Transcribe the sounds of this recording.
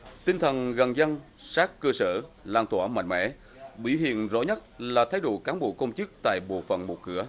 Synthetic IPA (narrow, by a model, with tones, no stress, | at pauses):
t̪ï˧ŋt̪ʰə˨˩nɣa˨˩ŋzə˧ŋ | saː˦˥kkːəː˧səː˧˩ | laː˧nt̪ʰwaː˧˩ma̰˧˨ŋ̟mɛ̰˧˥ | ɓḭ˧˩hḭ˧˨ənzɔ̰˧˥ɲə˦˥t̚laː˨˩t̪ʰa˨˦jɗo̰˧˨kaː˨˦mɓo˨˧˨əkə˧wŋ͡mt͡ɕɨ˦˥k̚t̪a̰ː˧˨jɓo̰˧˨fə̰˨nmo˨˩t̚kɨ˧˩ə